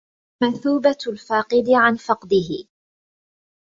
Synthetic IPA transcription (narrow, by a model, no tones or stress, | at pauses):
manθuːbalfaːqɨd̪ɪʕanfɑqd̪ɪɦɪ